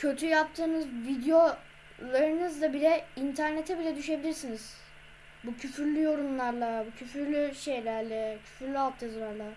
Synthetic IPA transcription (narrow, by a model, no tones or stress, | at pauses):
cʰø̞t̪ʰyjap̚t̪ʰɯːnɯzvid̪jo̞ | lˠaɾɯnɯzd̪abilʲɛint̪ʰæɾne̞t̪ʰɛbilʲɛd̪yʃe̞bilʲiɾsiniz̥ | bucʰyfyɾlʲyjo̞ɾunlˠaɾlˠabucʰyfyɾlʲyʃe̞jlʲæɾlʲɛcʰy̥fyɾlʲyap̚t̪ʰɛzlˠaɾlˠa